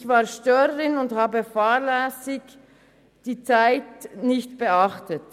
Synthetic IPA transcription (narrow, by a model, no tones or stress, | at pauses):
çvaːʁʃtøːʁəʁɪnʊnthaːbəfaːʁlɛːsɪɡ | d̥iːt͡saɪtnɪçtb̥əaχtət